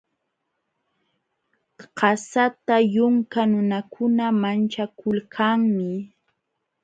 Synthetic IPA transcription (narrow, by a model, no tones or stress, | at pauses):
qɑsat̪ajʊŋkanʊnakʰʊnamant͡ʃakʊlkʰaŋmɪ